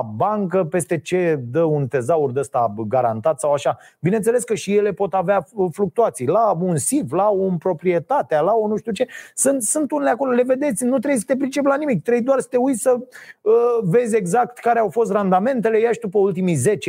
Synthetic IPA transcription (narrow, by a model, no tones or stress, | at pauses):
baŋkəpe̞st̪e̞t͡ʃe̞d̪əunt̪e̞zaurd̪əst̪aɡaɾant̪at̪sawaʃa | bine̞nt̪sele̞skəʃije̞le̞po̞t̪aveafluk̚t̪uat̪sijlaunsivlaonpɾo̞pɾie̞t̪at̪ealaonuʃt̪ʲiut͡ʃe̞sɨnt̪sɨnt̪uneleako̞lo̞le̞ve̞d̪e̞t̪sʲnut̪ɾejs̬ə̥t̪ep̬ɾint͡ʃe̞p̬ʲlanimik̚t̪ɾe̞jd̪oarsə̥t̪euj̪ʲsə | ve̞zʲe̞ɡzak̚t̪kaɾeawfo̞s̬t̪rand̪ame̞nt̪̬e̞le̞jaʃd̪upəult̪imijze̞t͡ʃ